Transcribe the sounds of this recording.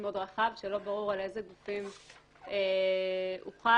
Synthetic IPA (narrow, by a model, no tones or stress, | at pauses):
meodʁaχavʃelobaʁuʁale̞zeɡufim | e | ṵχa